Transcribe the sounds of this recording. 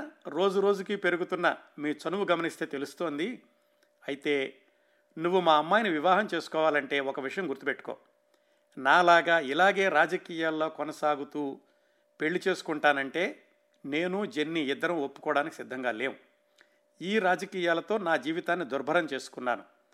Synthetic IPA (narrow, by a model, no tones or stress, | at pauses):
ɾo̞ːd͡ʒuɾoːd͡ʒukipe̞ɾuɡut̪unːɐmiːt͡ʃɐnuʋuɡɐmɐnist̪e̞ːt̪e̞lust̪oːnd̪i | ɐjit̪e̞ː | nuʋːumaːɐmːaːjniʋiʋaːɦɐmt͡ʃe̞ːsu̥kɔːʋaːlɐɳʈe̞ːɔkɐʋiʂɐjɐ̃mɡuɾt̪upe̞ʈːu̥ko̰ː | naːlaːɡaːilaːɡe̞ːɾaːd͡ʒɐkiːjaːlːo̞ːkɔnɐsaːɡut̪uː | pe̞ɭːit͡ʃe̞ːsu̥kuɳʈaːnɐɳʈe̞ː | neːnud͡ʒe̞nːiɪd̪ːɐɾɐmopːu̥kɔːɽaːnikisid̪ʱːɐŋɡaːleːwu | iːɾaːd͡ʒɐkiːjaːlɐt̪o̞ːnaːd͡ʒiːʋit̪aːnːid̪uɾbʱɐɾɐmt͡ʃe̞ːsu̥kunːa̰ːnu